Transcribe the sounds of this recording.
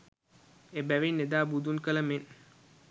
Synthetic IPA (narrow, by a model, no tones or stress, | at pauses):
ebæʋinːed̪aːbud̪unkələmen